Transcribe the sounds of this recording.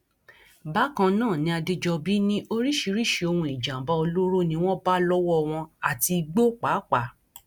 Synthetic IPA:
ba˦kã˧nãː˦˨nĩ˧˦a˧de˧d͡ʒɔ˧bi˨˦nĩ˦ʔo˦ɾi˦ʃi˧ɾi˦ʃe˧o˧hũ˧˨i˨d͡ʒã˨ba˧o˧lo˦ɾo˦nĩ˧w̃ɔ̃˦ba˦lɔ˦wɔ˦w̃ɔ̃˧a˨ti˧ɡ͡bo˦k͡pa˨˦k͡pa˨˦

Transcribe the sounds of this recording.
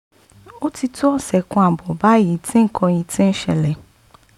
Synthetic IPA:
o˦ti˦tʊ˦ɔ˦sɛ˨kʊ̃˦a˨bʊ˨ba˦ji˨tʰɪ̃˦ŋ̩˦kʰɔ̃˧ji˨tʰɪ̃˦n̩˦ʃɛ˨lɛ˨

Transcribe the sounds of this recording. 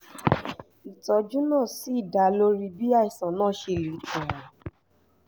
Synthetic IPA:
i˨tɔ˧˦d͡ʒũ˦nãː˦˨si˨˦i˦˨da˨˦lo˦ɾi˦bi˦a˦i˨sã˨nãː˦˨ʃe˧˨li˨˦tũ˨ɔ̃˨

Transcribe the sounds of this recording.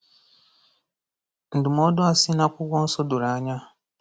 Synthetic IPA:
n̩˨du˨mo˦do˦a˨si˦na˦kʷu˦ɡʷɔ˦n̩˦sɔ˦du˨ɾa˨˦ɲa˦

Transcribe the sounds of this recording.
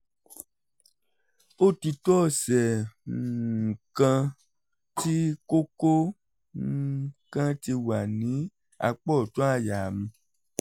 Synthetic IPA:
o˦ti˧tɔ˦˨sɛ˨ | kã˧ | ti˦ko˦ko˦ | kã˦ti˧wa˨nĩ˨˦ | a̰˧k͡pɔ˦˨to˦a˦˨ja˨mĩ˧

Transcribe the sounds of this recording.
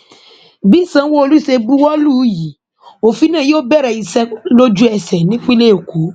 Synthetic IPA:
bi˦˨sã˧˦wo˦o˧lu˦i˦˨se˧ɡ͡bu˦wɔ˦lu˦ji˨˦ | o˨fi˨˦nã˦˨joː˦bɛ˦˨ɾɛ˧˨i˨sɛ˧lo˦d͡ʒu˦ɛ˧˨sɛ˨nĩ˦k͡pĩ˦le˦o˨kʰu˨˦

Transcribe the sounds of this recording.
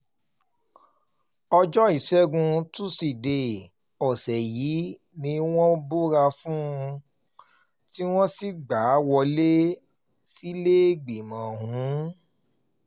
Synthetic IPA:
ɔ˧d͡ʒɔ˦i˨sɛ˦ɡũ˧tu˦si˨de˧˨ | ɔ˨sɛ˨jiː˨˦ | nĩ˧w̃ɔ̃˦bo˦ɾa˧fũ˦˧ | ti˦w̃ɔ̃˦si˦ɡ͡ba˨˦wɔ˧le˦ | si˦le˦ɡ͡bi˨mã˨ɦũ˨˦

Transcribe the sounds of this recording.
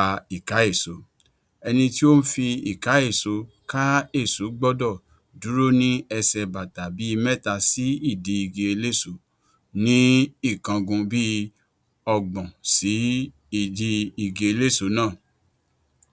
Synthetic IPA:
a˧i˦˨ka˨˦e˦˨so˨˦ | ɛ˧nĩ˧ti˦o˦n̩˦fi˧i˨ka˨˦e˦˨so˨˦ka˦e˦˨su˨˦ɡ͡bɔ˦dɔ˦˨ | du˨˦ɾo˦nĩ˦ɛ˧sɛ˧ba˨ta˨bi˨˦i˧mɛ˦˨ta˧si˦i˦˨di˧i˧˨ɡe˧e˧le˦˨so˨˦ | nĩ˦i˦˨kã˧ɡũ˧bi˦ | ɔ˧ɡ͡bɔ̃˨si˨˦ | i˦˨di˧i˧˨ɡe˧e˧le˦˨so˨˦nãː˦˨

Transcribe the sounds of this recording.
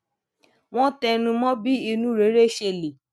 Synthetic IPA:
w̃ɔ̃˦tɛ˧nũ˧mɔ̃˦bi˦i˧nũ˦ɾe˨˦ɾe˦ʃe˧˨le˨

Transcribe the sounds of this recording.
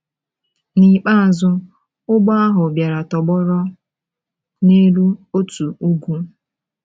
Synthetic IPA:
ni˨k͡pa˦a˨zʊ˦ | ʊ˦ɡ͡bɔ˦a˦ɦʊ˨bja˨ɾa˨tɔ˨ɡ͡bɔ˦ɾɔ˦ | ne˦lu˦o˦tu˨u˦ɡʷu˦

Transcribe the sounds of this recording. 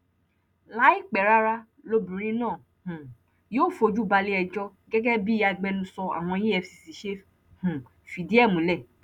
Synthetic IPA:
la˦i˦˨k͡pɛ˨ɾa˦ɾa˧ | lo˧bũ˨ɾ̃ĩ˦nãː˦˨ | hũ˨ | joː˦˨fo˧d͡ʒu˦˨ba˧le˦ɛ˧d͡ʒɔ˧ | ɡɛ˦ɡɛ˦bi˦a˧ɡ͡bɛ˧nũ˧˦sɔ˧a̰˨w̃ɔ̃˧˦je˦ɛ˧fsi˧si˨ʃe˦f | hũ˨ | fi˨di˦ɛ˦˨mũ˨˦lɛ˦˨

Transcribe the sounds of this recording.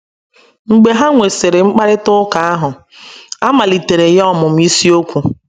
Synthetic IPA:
ŋ͡m̩˨ɡ͡be˨ɦa˦ŋʷe˨se˨ɾɪ˨ŋ͡m̩˦k͡pa˦ɾɪ˦tʊ˦ka˨a˦ɦʊ˨ | a˦ma˨li˨te˨ɾe˨jɔ˦mʊ˨m̩˦i˦si˦o˦kʷu˨

